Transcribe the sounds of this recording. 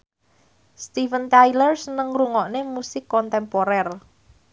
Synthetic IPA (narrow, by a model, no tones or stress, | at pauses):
st̪ifənt̪ajlərsənəŋruŋɔʔnemusɪkːɔnt̪ɛmpoɾɛr